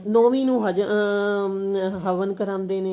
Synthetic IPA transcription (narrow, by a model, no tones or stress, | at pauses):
nɔːʋiːnũːɦəd͡ʒ | ɦəʋənkəɾãːnd̪eːneː